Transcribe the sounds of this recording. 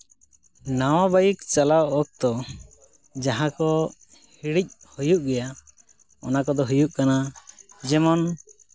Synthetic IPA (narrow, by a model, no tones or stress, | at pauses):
nawãbajikt͡ʃalawɔk̚t̪ɔ | d͡ʒaɦãkɔ | hiɽic̚ˀhujuʔɡɛja | ɔ̰nakɔd̪ɔɦujuʔkanad͡ʒɛmɔn